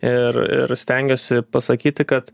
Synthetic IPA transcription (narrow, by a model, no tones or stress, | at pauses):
ɪrɪ̰ɾsʲt̪ʲɛŋʲɡʲoːsʲɪpɐsɐkʲiːt̪ʲɪkɐt̪